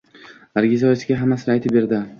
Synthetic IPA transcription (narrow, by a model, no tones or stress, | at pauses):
aɾɡʲizɒjesɡʲaɦamːasɪajt̪ʰɪbeɾd̪ɪ